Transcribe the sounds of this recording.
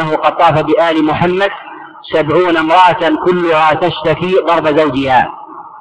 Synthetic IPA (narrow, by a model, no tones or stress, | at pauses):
ahʊqɑd̪̚t̪ˤːɑːfabɪʔaːlɪmʊħamːad̪ | sabʕuːnamɾˤɑʔat̪akʊlːʊɣat̪aʃt̪akiːɣˤɑɾˤbazawd͡ʒɪhaː